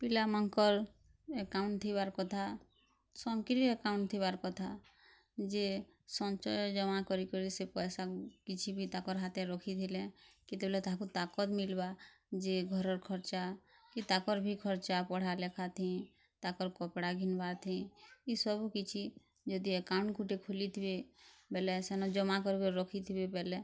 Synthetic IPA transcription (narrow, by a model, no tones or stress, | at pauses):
pilamɔŋkɔɾ | ekaʊnt̪ʰibaɾkɔt̪ʰa | sɔŋkɾiɔekaʊnt̪ʰibaɾkɔt̪ʰa | d͡ʒe | sɔnt͡ʃɔjd͡ʒɔmakɔɾikɔɾisepɔjsakit͡ʃʰibʱit̪akɔɾɦat̪eɾɔkʰit̪ʰilẽkit̪ebelet̪aɦakut̪akɔt̪milba | d͡ʒeɡʱɔɾɔɾkʰɔɾt͡ʃakit̪akɔɾbʱikʰɔɾt͡ʃapɔɽ̤alekʰat̪ʰĩ | t̪akɔɾkɔpɽaɡʱinbaɾt̪ʰĩisɔbukit͡ʃʰi | d͡ʒɔd̪iekaʊ̃ɳkuʈekʰulit̪ʰibebɛlɛsenɔd͡ʒɔmakɔɾbeɾɔkʰit̪ʰibebɛle